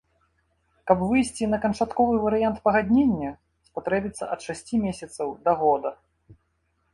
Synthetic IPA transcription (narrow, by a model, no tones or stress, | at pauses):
kɐbvɨjsʲt͡sʲinɐkɐnt͡ʂat̪kɔvɨvɐɾɨjant̪pɐɣad̪ʲnʲenʲːɐ | spat̪ɾɛbʲit̪sːɐ̰ʔɐt̪ʂasʲt͡sʲimʲesʲɐt̪sɐwd̪ɐɣɔd̪ɐ